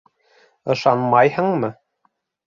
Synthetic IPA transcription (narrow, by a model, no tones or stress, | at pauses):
ɤ̆ʃɑnmɑjhɤ̆ɴmɤ